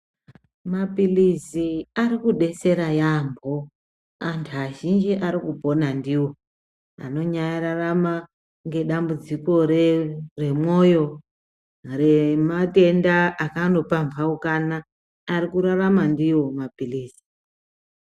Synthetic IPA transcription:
mapilisiaɾikuɗe̞se̞ɾajambʱo | antʰuaʒind͡ʒiʔaɾikupo̞nandiwo̞ | a̰no̞ɲajaɾarama | ŋɡe̞ɗambud͡ziko̞rre̞mo̞jo̞ | remate̞ndaakano̞pampaukanaː | ɾikuɾaramandiwo̞mapiliːsi̥

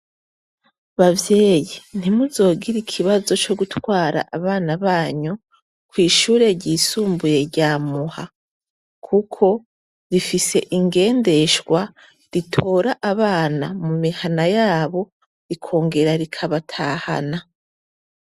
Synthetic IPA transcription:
βavje̞ːjin̥imuzo̞ːɡiɾikʰiβazo̞t͡ʃo̞ɡutwaːɾa̰ʔaβaːnaβaːɲu | kwiːʃuːɾe̞ɟiːsuːmbuje̞ɾɟaːmuha | kʰukʰo̞ | ɾifise̞ʔiŋɡe̞ːnde̞ʃɡwa | ɾitʰo̞ːɾaʔaβaːnamumihanajaːβo̞ | ikʰo̞ːŋɡe̞ɾaɾikʰaβatʰaːha̰na

